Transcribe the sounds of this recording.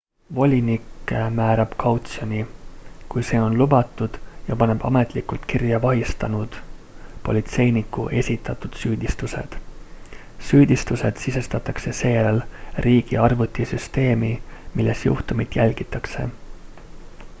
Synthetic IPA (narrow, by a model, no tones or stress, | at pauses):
vo̞lʲinikːˑmæːɾɑb̥kʰɑwt̪sionʲikujse̞ːo̞nlubɑt̪ːˑud̪̥jɑpɑne̞b̥ɑme̞t̪ˑlikːˑult̪kirjɑvɑɦist̪ɑnud̪̥po̞̰lʲit̪se̞jnikːˑṵʔe̞sʲit̪ːˑɑt̪ːud̪̥syːd̪̥ist̪use̞̰d̪̥ | syːd̪ist̪use̞d̪̥sise̞st̪ɑt̪ːˑɑkse̞se̞ːjæɾelriːɡ̥ḭɑrvut̪ˑːisyst̪e̞ːmimilːesjṵht̪umit̪jælʲɡ̥it̪ːˑɑkse̞̰